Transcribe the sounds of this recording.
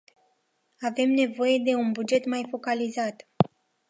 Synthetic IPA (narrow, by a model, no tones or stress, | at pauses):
ave̞mne̞vo̞je̞d̪e̞unbud͡ʒe̞t̪majfo̞kalizat̪